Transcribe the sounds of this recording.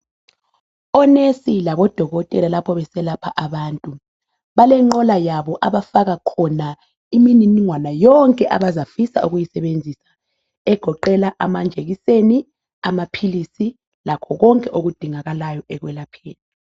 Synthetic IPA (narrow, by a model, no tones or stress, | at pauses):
ɔnesilaβɔd̥ʱɔɣɔtʼɛlalapʰɔβɛsɛlapʰaʔaβaːntʼu | βalɛŋ͡ǃɔlajaβɔʔaβafaɣakʰɔna | imininiŋwanajɔŋkʼɛʔaβazafisa̰uɣujisɛβend͡zʱisḁ | ɛɡ̥ʱɔǃɛlaʔamand͡ʒʱeɣiseni | amapʰilisi | lakʰɔɣɔŋkʼɛʔoɣud̥ʱiŋaɣalajɔʔɛɣwɛlapʰeːni